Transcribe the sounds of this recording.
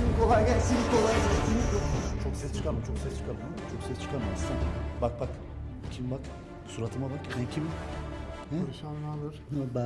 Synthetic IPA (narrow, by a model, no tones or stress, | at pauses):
inikʰo̞lˠajɡɛlsiikʰolˠajazɛɾt̪ʰiniot͡ʃʰoksɛst͡ʃʰɯ̥kʰalˠɯmt͡ʃʰo̞ksɛst͡ʃʰɯ̥kʰalˠɯmat͡ʃʰoksɛst͡ʃʰɯ̥kʰaɾmassabak̚bak | cʲʰimbak | suɾat̪ʰɯmabakhɛcʰʲim | hɛɾiʃannalˠɯɾba